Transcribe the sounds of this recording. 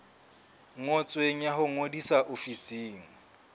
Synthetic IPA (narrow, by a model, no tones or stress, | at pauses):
ŋŋɔt͡sʼweŋ̩jaɦʊŋodisaʔofisiːŋ̩